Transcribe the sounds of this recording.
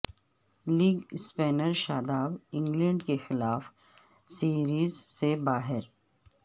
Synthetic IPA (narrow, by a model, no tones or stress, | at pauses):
liːɡspɛːnəɾʃaːd̪aːbɪ̃ŋɡlə̃ɳɖkexɪlaːf | siːɾiːzsebaːɦɪɾ